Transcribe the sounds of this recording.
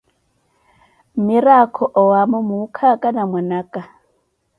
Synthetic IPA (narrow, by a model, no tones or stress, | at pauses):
miɾakʰɔʔɔwamɔmukʰakʼanamwanakʼa